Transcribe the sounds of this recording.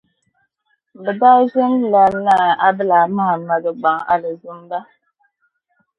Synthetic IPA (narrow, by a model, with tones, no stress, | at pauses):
bə˨da˦ʒə˦n˦la˨na˦˨a˦bə˦la˨ma˦˨ma˨də˨ɡ͡ba˨ŋa̰˦˨lə˨zu˦m˦ba˦